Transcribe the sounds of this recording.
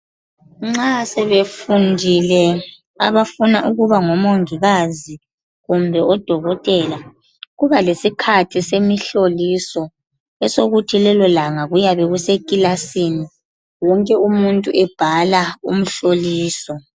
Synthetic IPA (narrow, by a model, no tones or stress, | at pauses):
ŋ͡ǁasɛβefundʱilɛ | aβafunaʔuɣuβaŋɔmoŋiɣazi | ɣumbʱɛɔd̥ʱɔɣɔtʼɛla | ɣuβalesikʰatʰisemiɬolisɔ | ɛsoɣutʰilɛlɔlaŋaɣujaβɛɣusekʼilasini | wɔŋkʼɛumuntʼuʔɛb̥ʱalaṵm̩ɬoliːsɔ